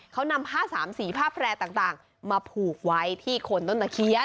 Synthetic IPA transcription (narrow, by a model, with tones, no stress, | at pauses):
kʰa˦˥wna˧mhaː˥˩saː˩˦msiː˩˦pʰaː˥˩pʰɾɛː˧t̪aː˨˩ŋt̪aː˨˩ŋ | maː˧pʰuː˨˩k̚wa˦˥jt̪ʰiː˥˩kʰo˧nt̪o˥˩nt̪a˧˩kʰi˦˥ə˩